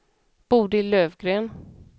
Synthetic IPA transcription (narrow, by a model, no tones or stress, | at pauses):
b̥uːd̪əɪløːvɡɾeːn